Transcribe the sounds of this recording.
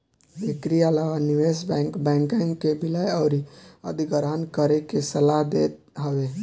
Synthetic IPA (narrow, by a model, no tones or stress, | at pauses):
ekɾiəlawaniʋesbɛkbɛ̃ŋkə̃ŋkebilajəʊɾiə̰d̪ʱiɡəɾɦənkəɾekesəlaɦd̪et̪̚ | ɦəʋe